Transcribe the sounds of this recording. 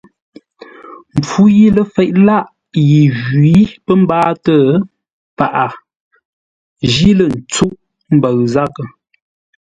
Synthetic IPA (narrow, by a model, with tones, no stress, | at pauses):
m̩˨p͡fu˦ji˦lə˨fɛ˨ʔ̚la˦˨ʔ | ji˨ʒi˨˦pə˦m̩˦baː˦tə˦˨ | pa˨ʔa˨ | ʒi˦lə˨n̩˨t͡su˦ʔ | m̩˦bə˨ɣza˦kə˨